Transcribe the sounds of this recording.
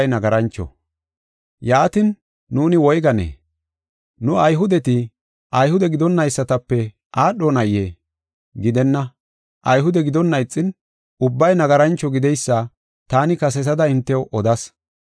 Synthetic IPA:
jnɐɡɐɾɐnt͡ʃːɔ̰ | jaːt̪ɪnː | uːnɪwɔjɡɐnḛː | nʊɐjɦʊd̪ɛt̪ɪ | ʔɐjhʊd̪ɛɡɪd̪ɔnːɐjsːɐt̪ɐpːɛ | ʔaːɗɔnɐje | ɡɪd̪ɛnːɐ | ʔɐjɦʊd̪ɛɡɪd̪ɔnːɐjt͡sʼːɪn | ʊbːɐjnɐɡɐɾɐnt͡ʃːɔɡɪd̪ɛjsːɐ | t̪aːnɪkɐs̬ɛs̬ɐd̪ɐɪnt̪ːɛʔɔd̪ɐs

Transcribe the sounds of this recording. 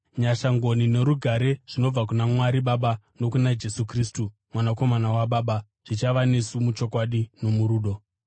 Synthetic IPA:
ɲaʃaŋɡo̞nine̞ɾuɡʱaɾe̞ʐ̥ino̞b͡vak̬unamwaɾiɓaɓa | no̞kunad͡ʒe̞sukriːstu | mwanako̞manawaɓaːɓa | ʐ̥it͡ʃaʋane̞sumut͡ʃo̞kwaɗino̞muɾuːɗo̞

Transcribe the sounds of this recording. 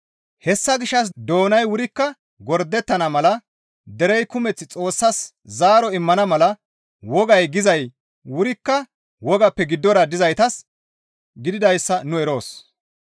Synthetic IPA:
hɛsːɐɡɪʃːɐs̬d̪o̞ːnɐjwʊɾɪkːɐ | ɡɔɾd̪ːɛt̪ːɐnɐmɐlɐ | d̪ɛɾɛjkʊmɛt͡sːɪt͡sʼo̞ːsːɐs | zaːɾɔɪmːɐnɐmɐlɐ | wɔɡɐjɡɪzɐj | wʊɾɪkːɐ | wɔɡɐpːɛɡɪd̪ːɔɾɐd̪ɪzɐjt̪ɐs | ɡɪd̪ɪd̪ɐjsːɐnʊɛɾo̞ːs

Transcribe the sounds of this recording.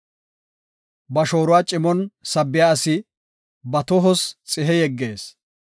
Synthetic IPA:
bɐʃo̞ːɾʊwaːt͡ʃʼɪmɔnsɐbːɪjaːɐsɪ | bɐt̪ɔɦɔst͡sʼɪɦɛjɛɡːeːs

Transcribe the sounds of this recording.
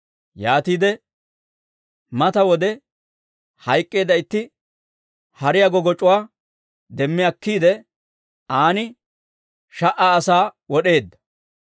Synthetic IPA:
jaːt̪iːd̪ɛ | mɐt̪ɐwɔd̪ɛ | hɐjkʼːe̞ːd̪ɐɪt̪ːɪ | hɐɾɪjɐɡɔɡɔt͡ʃʼʊwaː | d̪ɛmːɪjɐkːiːd̪ɛ | aːnɪ | ʃɐʔaːsaːwɔɗe̞ːd̪ːɐ̥

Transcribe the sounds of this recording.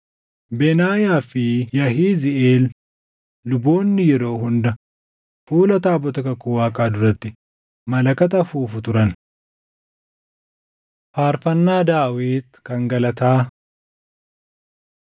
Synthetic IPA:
bɛnaːjaːfɪjɐɦiːzɪʔeːlː | ʊbo̞ːnːɪjɛɾo̞ːɦʊnd̪ɐ | fuːlɐt̪aːbɔt̪ɐkɐkːʊwaːkʼaːd̪ʊɾɐt̪ːɪ | mɐlɐkɐt̪̬ɐfuːfʊt̪ʊɾɐn | faːɾfɐnːaːd̪aːwiːt̪kɐŋɡɐlɐt̪aː

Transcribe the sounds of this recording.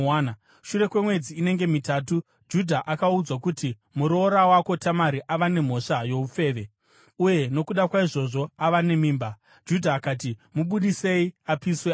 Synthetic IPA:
n | ʃure̞kwe̞mwe̞d͡ziːne̞ŋɡe̞mitaːtu | d͡ʒudʱaʔakaud͡zwakuti | muɾo̞ɾawako̞tamaɾiʔaʋane̞m̤o̞ʂajo̞ufe̞ːʋe̞ | uje̞no̞kuɗakwaiʐo̞ʐo̞aʋane̞miːmba | d͡ʒudʱaːkaːt̬imuɓuɗise̞iapiswe

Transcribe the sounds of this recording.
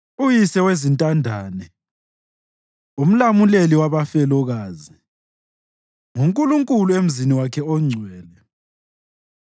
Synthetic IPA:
ujisɛwezintʼandʱaːnɛ | um̩lamuleliwaβafɛlɔɣaːzi | ŋuŋkʼuluŋkʼuluem̩ziniwakʰɛɔŋ͡ǀʱwɛːlɛ

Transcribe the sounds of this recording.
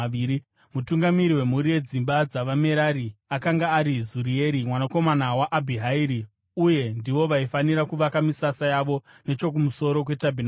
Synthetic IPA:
i | mutuŋɡamiɾiwe̞muɾije̞d͡zimbad͡zaʋame̞ɾaɾiakaŋɡaːɾizuɾie̞ɾimwanako̞manawaʔabʱiɦaiɾi | uje̞ndiʋo̞ʋaifaniɾakuʋakamisasajaʋo̞ | ne̞t͡ʃo̞k̬umuso̞ɾo̞k̬we̞tabʱin

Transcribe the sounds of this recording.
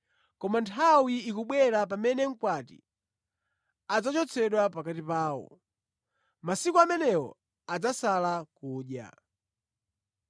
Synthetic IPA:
kɔmantʰawiikuɓwɛɾapamɛnɛŋ̩kwatḭ | ad͡zat͡ʃɔt͡sʰɛɗwapakatipaːwɔ̰ | masikuamɛnɛwɔ̰ | ad͡zasalakuːɗja̰

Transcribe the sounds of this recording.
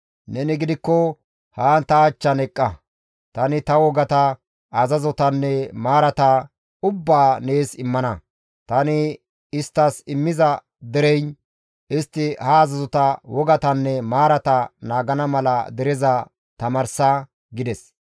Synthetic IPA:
nɛnɪɡɪd̪ɪkːɔ | haːnt̪ɐːt͡ʃːɐnɛkʼːɐ | t̪ɐnɪt̪ɐwɔɡɐt̪ɐ | ɐzɐzɔt̪ɐnːɛmaːɾɐt̪ɐ | ʊbːaːne̞ːsɪmːɐnɐ | t̪ɐnɪ | ɪst̪ːɐsɪmːɪzɐ | d̪ɛɾɛjn | ɪst̪ːɪhɐːzɐzɔt̪ɐwɔɡɐt̪ɐnːɛmaːɾɐt̪ɐnaːɡɐnɐmɐlɐd̪ɛɾɛzɐ | t̪ɐmɐɾsa | ɡɪd̪ɛs

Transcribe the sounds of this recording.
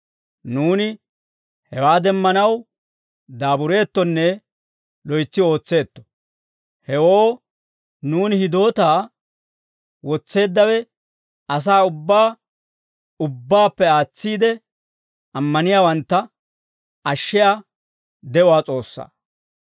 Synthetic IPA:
nuːnɪ | hɛwaːd̪ɛmːɐnɐw | d̪aːbʊɾe̞ːt̪ːɔnːɛ | lɔjt͡sːɪo̞ːt͡sːe̞ːt̪ːɔ̥ | hɛwoː | nuːnhɪd̪o̞ːt̪aː | wɔt͡sːe̞ːd̪ːɐwɛ | ɐs̬aːʊbːaː | ʊbːaːpːɛaːt͡sːiːd̪ɛ | ɐmːɐnɪjaːwɐnt̪ːɐ | ɐʃːɪja | d̪ɛʊwaːt͡sʼo̞ːsːa̰ː

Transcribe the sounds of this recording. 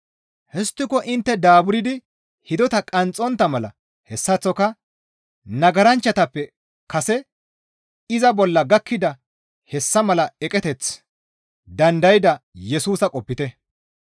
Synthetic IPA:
hɛst̪ːɪkɔʔɪnt̪ːɛd̪aːbʊɾɪd̪ɪ | hɪd̪ɔt̪ɐkʼɐnt͡sʼːɔnt̪ːɐmɐlɐ̰ | hɛsːɐt͡sːɔkɐ | nɐɡɐɾɐnt͡ʃːɐt̪ɐpːɛ | kɐsɛ | ɪzɐbɔlːɐɡɐkːɪd̪ɐ | hɛsːɐmɐlɐɛkʼɛt̪ɛt͡s | d̪ɐnd̪ɐjɪd̪ɐjɛsuːsɐkʼɔpːɪt̪ɛ

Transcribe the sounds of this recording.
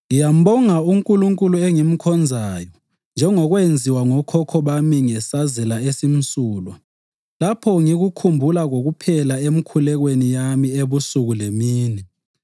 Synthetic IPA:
ŋijam̩ɓɔŋauŋkʼuluŋkʼulueŋim̩kʰɔnd͡zʱaːjɔ | nd͡ʒʱɛŋɔɣwend͡zʱiwaŋɔkʰɔkʰɔβamiŋɛsazɛlaesim̩suːlwa | lapʰɔŋiɣukʰumbʱulaɣoɣupʰɛlaem̩kʰulɛɣwenijamieβusuɣulemiːnɛ

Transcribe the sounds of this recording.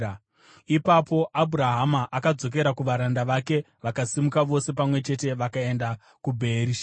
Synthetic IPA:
ipapo̞ʔabʱuɾaɦamaʔakad͡zo̞k̬e̞ɾakuʋaɾandaʋake̞ | ʋakasimukaʋo̞se̞pamwe̞t͡ʃe̞te̞ʋakae̞nda | kubʱe̞ːɾiːʃa

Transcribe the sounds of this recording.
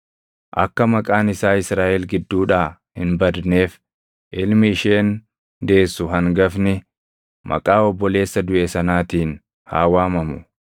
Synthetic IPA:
ʔɐ̰kːɐmɐkʼaːnɪsaːɪsɾaːʔɛlɡɪd̪ːuːᶑaː | hɪnbɐd̪neːf | ʔɪlmɪːʃe̞ːn | d̪e̞ːsːʊɦɐŋɡɐfnɪ | mɐ̰kʼaːɔbːɔle̞ːsːɐd̪ʊʔesɐnaːt̪iːn | ha̰ːwaːmɐmʊ

